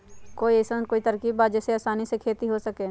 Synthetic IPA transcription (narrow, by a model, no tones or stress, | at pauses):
koːiesəkoːit̪ɐɾkibbaːd͡ʒɛseaːsaːnisekʰeːt̪iɦosɐkeː